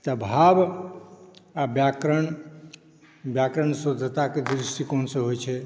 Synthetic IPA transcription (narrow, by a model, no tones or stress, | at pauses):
t̪əbʱab | abjakɾəɳ | bjakɾəɳsod̪ʱt̪aked̪ɾiʂʈikonsə̃ɦojt͡ʃʰɛ